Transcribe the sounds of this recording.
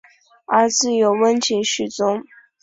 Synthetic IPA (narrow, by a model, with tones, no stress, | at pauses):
ə˧˥t͡sɹ̩˥˩jo˨˩ʊwə˥nt͡ɕʰi˧˥ŋɕy˨˩t͡sʊ˥ŋ